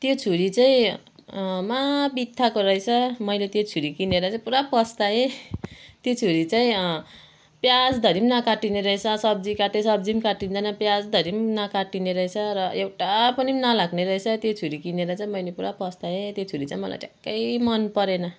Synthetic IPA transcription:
t̪jot͡sʰuɾit͡saĩ | mabit̪ʰːakoɾʌɦet͡sʰʌmʌjlet̪jot͡sʰuɾikineɾʌt͡saĩpuɾapʌst̪ae | t̪jot͡sʰuɾit͡saĩ | pjad͡zd̪ʱʌɾimnakaʈineɾʌet͡sʰʌsʌb̚d͡zikaʈesʌb̚d͡zimkaʈind͡zanʌpjad͡zd̪ʱʌɾimnakaʈineɾʌɦet͡sʰʌɾʌewʈapʌnimnalaɡneɾʌɦet͡sʰʌt̪jot͡sʰuɾikineɾʌt͡saĩmʌjlepuɾapʌst̪aet̪jot͡sʰuɾit͡saĩmʌla̰jʈekːʌjmʌnpʌɾenʌ

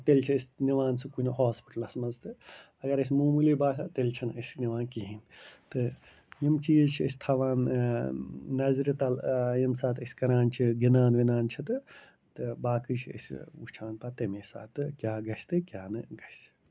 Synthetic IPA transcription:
t̪elt͡ʃʰiɐsʲniʋaːnsɨkunɦoːspi̥ʈɐlɐsmɐnzt̪ɨ | ɐɡɐɾɐs̬ʲmuːmulibaːsat̪elt͡ʃʰɐnɐsʲniʋaːnkiɦint̪ɨ | jimt͡ʃilt͡ʃʰiɐsʲt̪ʰaʋaːn | nɐzɾit̪ɐljimsaːt̪ʰɐsʲkɐɾaːnt͡ʃʰiɡinaːnʋinaːnt͡ʃʰit̪ɨ | t̪ɨbaːkɨt͡ʃʰiɐ̰sʲṵt͡ʃʰaːnpat̪ɐmesa̰ːt̪ɨkʲjaːɡɐst̪ɨkʲjaːnɨɡɐs

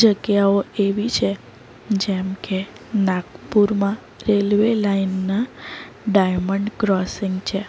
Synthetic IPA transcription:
d͡ʒəɡjaoeʋit͡ʃʰe | d͡ʒɛmke | nãkpuɾmã | ɾelʋelainːa | ɖajməɳɖkɾɔsiŋɡt͡ʃʰe

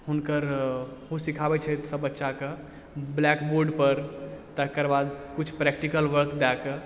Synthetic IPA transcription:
hunkəɾɦusikʰabɛt͡ʃʰɛt̪səbːətːʃake | blɛkboɾɖpəɾt̪əkəɾbad̪kut͡ʃʰpɾɛk̚ʈikəlʋəɾkd̪ɛkə

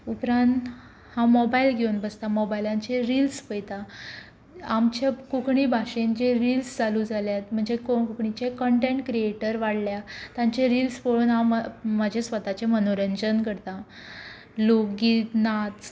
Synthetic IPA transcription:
upɾãnt̪ | hãmɔbailɡʱewnbəst̪amɔbajlãɲt͡ɕeɾilspəjt̪a | amt͡ɕakukɳibʱaɕend͡ʑeɾilsd͡zaluːd͡zʱaljat̪m̤əɳd͡zekokukɳit͡ɕekəɳʈẽɳʈkɾieʈəɾʋaɽljat̪jãɲt͡ɕeɾilspoɭuːnɦãməd͡ʑʱesʋət̪at͡ɕemənoɾəɲd͡ʑənkəɽt̪ã | loɡiːnat̪

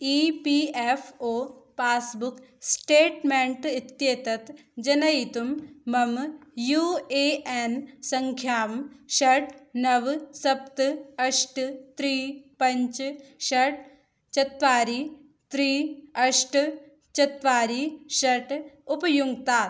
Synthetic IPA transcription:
iːpiːefʰoːpaːsbuksʈeːʈmeɳʈit̪jeːt̪ɐt̪ | d͡ʒɐnɐit̪umːɐmjuːeːʔensɐŋkʰjaːmʃɐʈnɐʋsɐp̚t̪ɐʃʈt̪ɾiːpɐ̃ɲt͡ʃʃɐʈ̚ | t͡ʃɐt̪ʋaːɾiː | t̪ɾiːɐʃʈ | t͡ʃɐt̪ʋaːɾiːʃɐʈupɐjuŋɡt̪aː

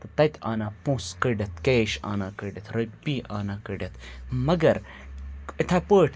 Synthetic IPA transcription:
t̪ɐt̪ɐt̪ʲʰa̰ːnaːpũskəɖʲɐt̪keːʃa̰ːnaːkəɖɐt̪ʰɾɐpːiːʔaːnaːkəɖʲɐt̪mɐɡɐɾ | it̪ʰapəːʈʰ

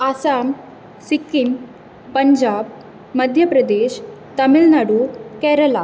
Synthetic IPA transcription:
asam | sikːin | pəɲd͡ʑab̚ | mɐd̪ʱjɐpɾɐd̪eɕt̪ɐmilnaɽukɛɾəla

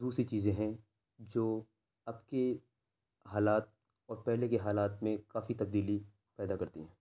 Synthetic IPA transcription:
d̪uːsɾit͡ʃiːzẽɦɛ̃ | d͡ʒoː | ɐbke | ɦaːlaːt̪̚ | ɔːɾpɛɦlekeɦaːlaːt̪mẽkaːfit̪ɐbd̪iːli | pɛːd̪akɐɾt̪iɦɛ̃ː

